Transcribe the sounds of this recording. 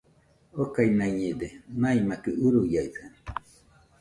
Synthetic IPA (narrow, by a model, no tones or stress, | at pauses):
okainaiɲed̪enaimakɯʔuɾujaiða